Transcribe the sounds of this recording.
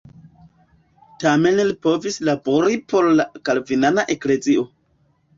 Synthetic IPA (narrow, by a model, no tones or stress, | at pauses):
tame̞nlipo̞vislabo̞ɾipʰo̞ɾlakalvinanaʔe̞kle̞zio̞